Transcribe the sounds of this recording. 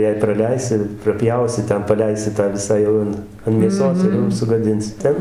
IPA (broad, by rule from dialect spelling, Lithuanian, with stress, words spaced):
jɛɪ prɐˈlʲɛɪsʲɪ prɐˈpʲjɛʊsʲɪ ˈtʲɛn pɐˈlʲɛɪsʲɪ tɑː ˈʋʲɪsɑː ˈjɛʊ ɐn ɐn mʲeːˈsoːs ɪr ˈjɛʊ sʊɡɐˈdʲɪnʲsʲɪ ˈtʲɛn